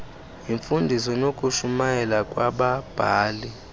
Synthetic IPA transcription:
iɱfundʱisɔnokʼuʃumajɛlakʼwaɓab̥ʱaːli

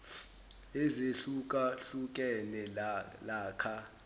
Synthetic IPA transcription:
ezeɬukʼaɬukʼɛnɛlaːkʰa

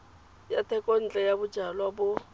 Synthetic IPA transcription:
jatʰɛkʼon̩t͡ɬʼɛjabʊdd͡ʒʱalwabʊ

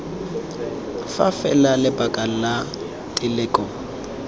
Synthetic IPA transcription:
fafɛlalɪbakʼal̩la | tʼɪlɛkʼɔ

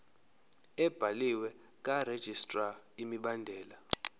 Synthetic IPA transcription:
ɛb̥ʱaliwɛ | kʼared̥ʒ̥ʱistʼra | imiɓandʱɛːla

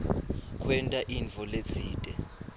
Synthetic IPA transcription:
kʰwɛntʼaʔiɱvʱɔlet͡sʰiːtʼɛ

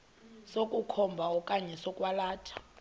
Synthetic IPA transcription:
sokʼukʰɔmbʱaɔkʼaɲɛsɔkʼwalaːtʰḁ

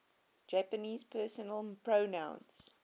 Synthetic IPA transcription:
d͡ʒæpəniːzpʰɜːsənəlpɹənãʊ̃ns

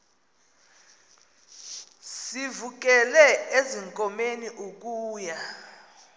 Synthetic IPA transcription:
sivuk̬ɛlɛeziŋkʼɔmeniʔuk̬ʼuːja

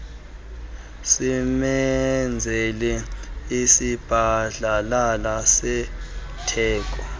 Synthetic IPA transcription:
simɛnd͡zʱɛlɛisib̥ʱaɮalalasɛ | tʰɛːk̬ʼɔ

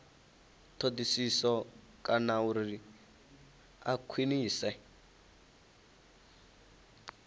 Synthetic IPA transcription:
tʰodisisɔ | kʼanauɾi | akʰwiniːsɛ

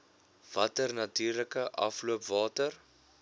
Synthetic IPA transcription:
v̥ɐtərnɐtyːrləkəʔɐfluəpvɑːtər

